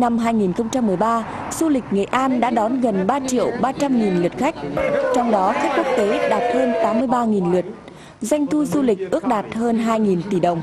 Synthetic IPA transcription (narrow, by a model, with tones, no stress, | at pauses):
na˧mɦaː˧jŋi˨˩nxə˧wŋ͡mt͡ɕa˧mːɨ˨˩əjɓaː˧ | z̥u˧lï˨˩k̟̚ŋḛ˨˩ʔaː˧nɗa̰ː˧˥ɗɔ˨˦nɣə˨˩nɓaː˧t͡ɕḭ˧˨əwɓaː˧t͡ɕa˧mŋi˨˩nlɨ˨˩ət̚xa˦˥k̟̚t͡ɕɔ˧wŋ͡mɗɔ˨˦xa˦˥k̟̚ku˦˥ək̚t̪e˨˦ɗaː˨˩t̚həː˧nt̪aː˨˦mːɨ˧əjɓaː˧ŋi˨˩nlɨ˨˩ət̚ | za˧jŋ̟t̪ʰu˧zu˧lï˨˩k̟̚ʔɨ˦˥ək̚ɗaː˨˩t̚həː˧nɦaː˧jŋi˨˩nt̪i˧˩ɗə˨˩wŋ͡m